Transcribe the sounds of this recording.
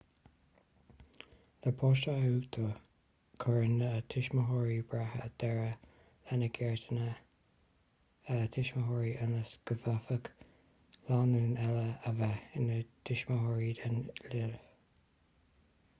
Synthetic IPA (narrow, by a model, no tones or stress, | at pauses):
ləpʰɔːʃauːt̪ʰə | kʰɔɹɪnət̪ʰɪʃməɦɔɹibɹahə̰d̪̥ɛɹə | lanəɡʰɛɹtənə | ət̪ʰɪʃməɦɔːɹiʔənəsɡ̥əvafək | laːnuːnɛləəvɛɪnət̪ʰɪʃməɦɔːɹid̪ənlɪɾv